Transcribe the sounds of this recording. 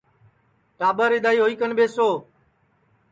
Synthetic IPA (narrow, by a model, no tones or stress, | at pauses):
ʈaːbəɾɪd̪aːiːɦoːiːkənɓeːsoː